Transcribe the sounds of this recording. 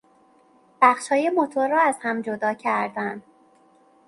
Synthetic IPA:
b̥æxʃhɒːje̞mo̞t̪ʰoɾːɒːæz̥hæmd͡ʒo̞d̪ɒːcʰæɾd̪ænd̪

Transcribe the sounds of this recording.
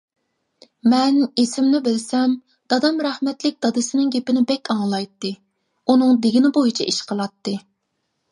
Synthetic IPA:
mɛnesɪmnɪbɪlsɛm | d̪̥ɑd̪ɑmɾæhmɛt̪lɪk̚ʲd̪̥ɑd̪ɨsɨnɪŋɡʲepɪnɪbɛkʲɑŋlˠɑjt̪ːɨ | unɨŋd̪ɪɡʲinɪbojit͡ʃʰɛʔiʃqʰəlˠɑt̪ːɨ

